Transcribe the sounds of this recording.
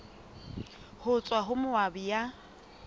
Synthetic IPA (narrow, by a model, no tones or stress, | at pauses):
hʊt͡sʼwaɦʊmʊwabija